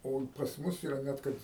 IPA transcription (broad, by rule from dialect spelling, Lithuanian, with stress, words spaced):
oː ɪ pɐs mʊs ɪˈrɐ ˈnʲɛt kɐt